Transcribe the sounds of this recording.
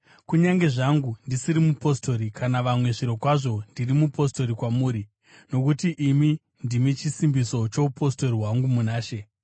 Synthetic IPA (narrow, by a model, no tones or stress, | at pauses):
kuɲaŋɡe̞ʐaŋɡundisiɾimupo̞sto̞ɾikanaʋamwe̞ʐiɾo̞kwaʐo̞ndirimupo̞sto̞ɾikwamuːɾi | no̞kutiʔimi | ndimit͡ʃisimbiso̞t͡ʃo̞upʰo̞sto̞ɾiɦwaŋɡumunaːʃe̞